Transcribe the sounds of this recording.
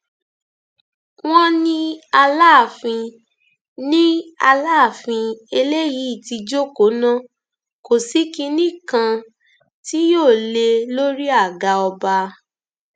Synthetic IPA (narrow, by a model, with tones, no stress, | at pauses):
w̃ɔ̃˦nĩ˧a˧laː˦˨fĩ˧ | nĩ˦a˧laː˦˨fĩ˧e˧le˦ji˨˦i˦˨ti˧d͡ʒo˦ko˨˦nã˦ | ko˨si˨˦ki˧nĩ˦kã˧ | ti˦joː˦˨le˧lo˦ɾi˦a˦˨ɡa˧ɔ˧ba˧